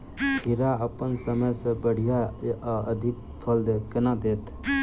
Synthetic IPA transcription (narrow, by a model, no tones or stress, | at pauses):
iɾaəpənsəməjsəbəɽ̤ijaəd̪ʱik̚ | pʰəld̪kənad̪et̪ʰ